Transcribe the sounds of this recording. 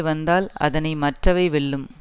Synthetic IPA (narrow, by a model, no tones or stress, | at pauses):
ʋɐnd̪aːlɐ̰ðɐnɐɪmɐʈrɐʋɐɪʋɪɭːɯm